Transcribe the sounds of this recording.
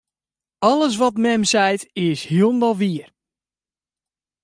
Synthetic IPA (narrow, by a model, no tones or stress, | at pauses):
ɔlˠəs̬ʋɔtmɛmsɛjtɪshiəlˠndɔlˠʋiər